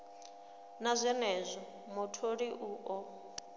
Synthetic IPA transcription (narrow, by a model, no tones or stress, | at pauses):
nazʷɛnɛzʷɔ | mɔtʰoɺiʔuːʔɔ